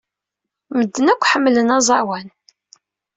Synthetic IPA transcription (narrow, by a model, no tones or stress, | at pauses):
məd̪ːənækʷːħəmːlənɑzˤɑɾwæn